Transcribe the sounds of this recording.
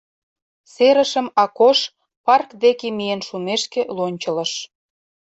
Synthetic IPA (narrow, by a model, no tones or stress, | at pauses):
seɾə̆ʃə̆mɑkoʃ | pɑrkd̪ekemijenʃumeʃkĕlonʲt͡ɕə̆lə̆ʃ